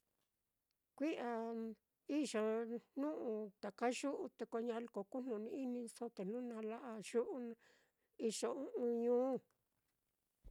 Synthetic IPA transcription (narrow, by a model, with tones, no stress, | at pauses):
kʷi˦ʔa˨ | i˦ʃa˨nũ˦ʔũ˧t̪a˨ka˦ʒu˦ʔu˧t̪e˧kʷo˧ɲã˧lko˨ku˦n̥ũ˨nĩ˧i˦nĩ˧so˦t̪e˨n̥nũ˦nã˧la˦ʔa˧ʒu˦ʔu˧ñ˧ | i˧ʂo˧ũ˦ʔũ˧ɲũː˦˧˨